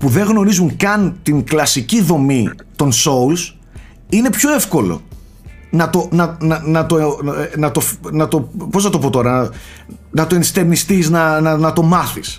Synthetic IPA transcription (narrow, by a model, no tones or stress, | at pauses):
puðe̞ŋɣno̞ɾizuŋkɐnt̪iŋklɐsiciðo̞mit̪o̞nsouls | ine̞pço̞e̞fko̞lo̰ | nɐt̪o̞nɐnɐnɐt̪onɐt̪o̞fnɐt̪o̞po̞znɐst̪o̞po̞t̪o̞ɾɐɐ | nɐt̪oenst̪eɾnist̪iznɐnɐnɐt̪o̞mɐθis